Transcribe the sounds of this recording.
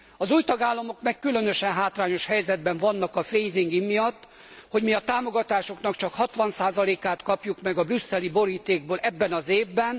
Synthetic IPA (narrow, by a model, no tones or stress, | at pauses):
ɒzuːjt̪ɒɡaːlːɒmo̞kmɛkːylønø̞ʃɛnɦaːt̪raːɲo̞ʃhɛjzɛd̪̚bɛɱvɒnːɒkɒfejziŋɡimijɒt̪ː | ho̞ɟmiɒt̪aːmo̞ɡɒt̪aːʃo̞kn̪ɒkt͡ʃɒkhɒt̪ʋɒnsaːzɒleːkaːt̪kɒpjukmɛɡɒbrysːɛlibo̞ɾiːt̪eːɡ̚bøːlʔɛbːɛnɒzeːvbɛn